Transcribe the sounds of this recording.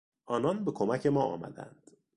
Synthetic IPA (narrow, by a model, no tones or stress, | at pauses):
ʔɒːnɒnbe̞kʰomæcʰe̞mɒːʔɒ̰ːmæ̰d̪æ̰nd̪̥